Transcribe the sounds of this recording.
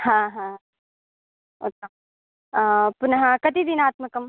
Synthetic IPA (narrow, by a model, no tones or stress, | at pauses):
hãɦã | ot̪a | pʊnɦãkɐt̪id̪inaːt̪mɐkɐm